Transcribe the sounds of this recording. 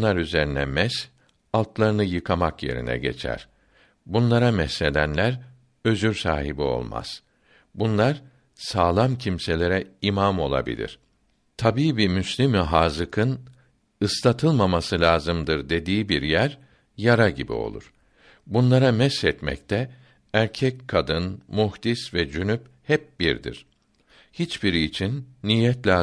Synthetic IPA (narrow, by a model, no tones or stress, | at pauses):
nˠaɾyze̞ɾinɛmɛs | alˠt̪lˠaɾɯnɯjɯkʰamakje̞̰ɾḭnɛ̰ɟe̞̰t͡ʃʰæ̰ɾ̥ | bunlˠaɾamɛsːe̞d̪ænlʲæɾ | ø̞zyɾsaːɦibio̞̰lˠma̰z̥ | bunlˠaɾ | saːlˠamcʰimse̞lʲe̞ɾɛimamo̞lˠa̰bḭlʲḭɾ̥ | t̪ʰabiːbimyslʲimiɦaːzɯkʰɯn | ɯst̪ˠat̪ʰɯlˠmamasɯlʲaːzɯmd̪ɯɾd̪e̞d̪iːbiɾjæɾ | jaɾaɟibḭo̞̰lˠṵɾ̥ | bunlˠaɾamɛsːɛt̪mɛ̰c̚t̪ʰɛ | æɾcʰɛckʰːad̪ɯnmuhd̪isvɛd͡ʒynyp | hɛp̚biɾd̪ḭɾ̥ | hit͡ʃb̥iɾiːt͡ʃʰinːiːjːɛt̪lʲaː